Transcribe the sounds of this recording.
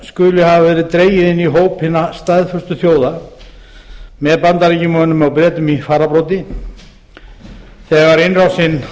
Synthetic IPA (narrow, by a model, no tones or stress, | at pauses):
skʏlɪɦavavɛːɾɪðt̪ɾeːjɪðɪnːiɦoːwphɪnːast̪ajðfœrst̪ʏθjoːwða | mɛðpant̪aɾicɪmœnʏmawpɾɛːt̪ʏmifaːɾapɾowt̪ɪ | θɛɣaɾɪnrawsɪn